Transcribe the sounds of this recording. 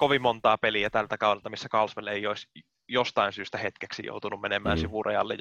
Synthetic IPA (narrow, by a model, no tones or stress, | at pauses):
koʋimmont̪ɑːpeliæt̪ælt̪ækɑuwelt̪ɑmisːækɑlsʋelːeijois | jost̪ɑinsyːst̪æhet̪keksḭjo̰ut̪unummenemˑæ̰ːnsiʋurejɑ̰lːḛ